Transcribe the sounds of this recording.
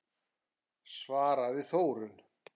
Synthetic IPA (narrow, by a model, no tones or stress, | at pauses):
svaːɾaðɪθoːwɾʏn